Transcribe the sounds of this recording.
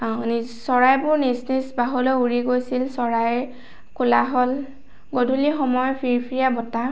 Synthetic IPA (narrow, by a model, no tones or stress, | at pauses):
nisɔɹajbʊɹnisnisbaɦɔlɔjuɹiɡojsilsɔɹaj | kulaɦɔl | ɡodʱulixɔmɔjɔpʰiɹpʰiɹijabɔta